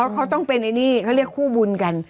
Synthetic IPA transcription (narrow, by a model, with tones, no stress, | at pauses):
a˦˥wkʰa˦˥wt̪ɔ˥˩ŋpe˧nːa˧jniː˥˩kʰa˥˩wɾi˥˩əkʰːuː˥˩bu˧nka˧n